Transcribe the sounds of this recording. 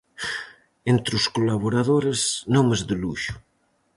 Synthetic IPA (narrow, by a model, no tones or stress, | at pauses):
ent̪ɾuskolaβoɾaðoɾeznomezðeluʃu̥